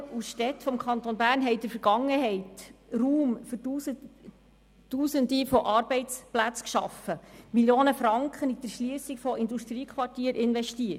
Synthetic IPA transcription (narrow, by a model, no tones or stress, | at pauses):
usʃtɛt̪fɔmkχɑnt̪onbæːɾnɦɛɪd̥əɾfəɾɡ̥ɑŋːəɦɛɪt̪ruːmfʏus | tuːsənd̪ifɔʔɑːɾbɛɪt͡splæt͡skʃɑ̰fəmiljoːnəfɾɑŋkχənidəɾʃliːəsikfɔɪnd̪uʃt̪ɾiːkʰχʋɑrtiːəɾʔɪnʋɛʃtiːət